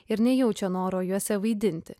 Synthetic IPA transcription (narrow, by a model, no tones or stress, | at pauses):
ɪɾnʲɛjɛʊt͡ʃʲɛnoːɾoːjuɔsʲɛʋɐɪd̪ʲɪnʲt̪ʲɪ